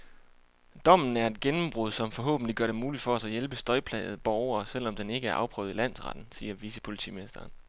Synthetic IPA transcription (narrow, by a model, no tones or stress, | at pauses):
d̥ɒ̽m̰n̩æɐe̝d̥̚ɡ̥enm̩b̥ʁuð̞ˠsɒ̽mfɒ̽ɦɔ̰̽ːb̥n̩liɡ̥ɶɐɾe̝muːlid̥fɒ̽æsɒ̽jelb̥əsd̥ɒ̽ɪpʰlɛ̰ːð̞̩ˠb̥ɒʊɐːsel̰ɒ̽md̥ene̝ɡ̥əæɐʔɑ̈ʊpʰʁœ̰ʊðˠilæn̰sʁɑ̈d̥n̩siːɐʋisəpʰo̝lit͡sʰḭːminisd̥ɐːn